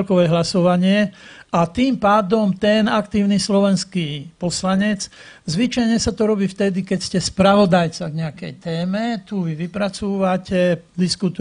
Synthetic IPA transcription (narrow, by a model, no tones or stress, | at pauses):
lkɔʋɛɦlasɔʋaɲɪɛʔat̪iːmpaːd̪ɔmt̪ɛnakt̪iːʊnislɔʋɛnskipɔslaɲɛt͡s | zʋit͡ʃajɲɛsat̪ɔɾɔbiːft̪ɛd̪ikɛcscɛspɾaʋɔd̪ajt͡saɡɲɛakɛ̰jt̪ɛːmɛt̪uʋiʋipɾat͡suːʋacɛd̪iskut̪u